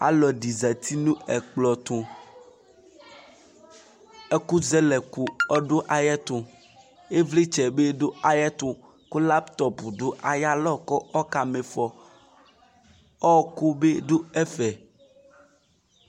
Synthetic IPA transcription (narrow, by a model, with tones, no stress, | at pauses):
a̰˦lɔ˨ɖi˨za˨t̪ʰi˦nũ˦ɛ˨k͡plɔ˨t̪o˨ | e˦ku˦zɛ˦lɛ˨ku˨ɔ˦ɖo˦ʔa˨jɛ˦t̪o˨ | e˦vle˦t͡ʃɛ˨be˦ɖo˦a˨jɛ˦t̪õ˦ | ko˦la˦pt̪ɔ˨pu˨ɖo˦ʔa˨ja˦lɔ˦kɔ˦ɔ˦ka˨me˨fɔ˨ | ɔ˦ko˦be˦do˦ɛ˦fɛ˨